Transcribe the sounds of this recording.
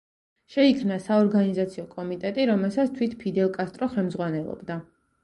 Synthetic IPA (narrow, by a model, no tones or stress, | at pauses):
ʃɛikʰmnasaɔɾɡanizat̪sʰiɔkʼɔmit̪ʼɛt̪ʼiɾɔmɛlˠsat̪st̪ʰwit̪ʰpʰid̪ɛlˠkʼast̪ʼɾɔχɛlˠmzʁwanɛlˠɔ̰bd̪a